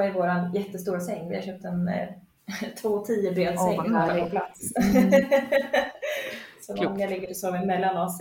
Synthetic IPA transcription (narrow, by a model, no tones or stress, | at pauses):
aɪvoːɾanjɛt̪ːəst̪uːɾasɛŋːvɪhaɾɕœp̚t̪ɛn | t̪ʰvoːt̪ʰiːəbɾøːd̪sɛ̰ŋːapʰɔpʰla̰t̪s | sɔd̪mjalɪɡːəɾɔsoːvɪmɛlːanɔs